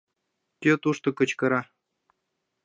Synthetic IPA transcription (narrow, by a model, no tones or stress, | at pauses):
kʲøt̪uʂt̪ɤ̆kɤ̆t͡ɕkɤ̆ɾɑ